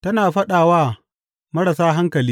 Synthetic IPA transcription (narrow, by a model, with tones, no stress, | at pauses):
tɐ˦naː˨ɸɐ˦ɗaː˨waː˦ | mɐ˦ɽɐ˨saː˦ɦa˦ŋkɐ˨liː˦